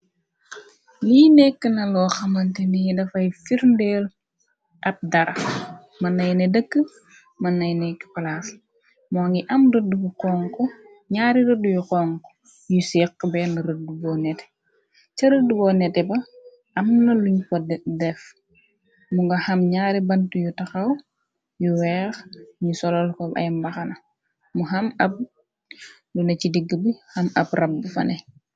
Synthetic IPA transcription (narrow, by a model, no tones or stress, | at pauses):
niːnɛkːənɐlɔːxɐmɐntɛnijidɐfɐjfiɾndɛːl | ʔɐp̚dɐɾɐ | mɐnːɐjnɛdəkːə | mɐnːɐjnɛkːə̥pɐlaːs | moːŋɡiʔɐmrədubuqɔːŋkɔ | ɲaːɾiɾədujuqɔŋkɔ̥ | jusɛːqːbɛːnɐɾədubɔːnɛtɛ̥ | t͡ʃɐɾədubɔːnɛtɛbɐ | ʔɐmnɐluɲkɔddɛf | muŋɡɐhɐmɲaːɾibɐntujutɐxɐw | juwɛːxɲisɔlɔlkɔbɐ̰jmbɐxɐnɐ | muɦɐmɐb̚ | lunɐcidiɡːəbihɐmɐ̰brʔɐb̚ːufɐ̰nɛ